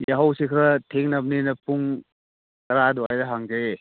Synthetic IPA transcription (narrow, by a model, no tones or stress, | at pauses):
jaɦawsikʰɾɐtʰeŋnɐp̚ninɐpuŋ | kɐɾaduajdɐɦaŋzee